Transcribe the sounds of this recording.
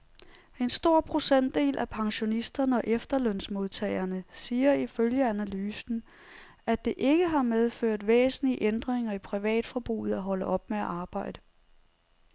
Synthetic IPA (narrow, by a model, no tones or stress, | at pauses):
e̝nsd̥o̝ɐ̰pʰʁo̝sen̰d̥e̝̰ːlʔæpʰɑ̈ŋɕo̝nisd̥ɐnəɒ̽ʔefd̥ɐlœn̰smo̝ðˠt͡sʰɛ̰ɪɐnəsiːɐiføljəænælyːsn̩ | æd̥e̝ʔe̝ɡ̥əɦɑ̈með̞ˠføɐ̰d̥ʋḛːsn̩liəʔend̥ʁeŋɐipʰʁiʋɛ̰ːd̥fɒb̥ʁṵːð̩ˠæɦɒ̽ləʔɒ̽b̥meæʔɑ̈ːb̥ɑ̈ɪ̰d̥ə